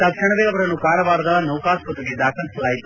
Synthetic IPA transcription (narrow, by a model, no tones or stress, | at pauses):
t̪ɐkʂɐɳɐʋeːɐʋɐɾɐnːukaːɾɐʋaːɾɐd̪ɐnɐwkaːskɐt̪ːɐɡed̪aːkʰɐlisɐlaːjit̪u̥